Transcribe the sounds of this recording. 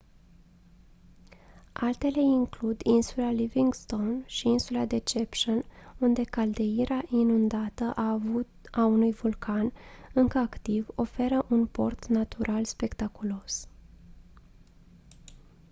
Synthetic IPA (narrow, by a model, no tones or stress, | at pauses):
ʔalt̪e̞le̞iŋklud̪insulaliviŋɡst̪o̞wnʃiinsulad̪e̞t͡ʃe̞pʃonund̪e̞kald̪e̞iɾeaʔinund̪at̪əʔavu | aunujvulkʰanɨŋkəakt̪ivo̞fe̞ɾəʔunpo̞̰rt̪nat̪uɾʔalspe̞kt̪akulo̞s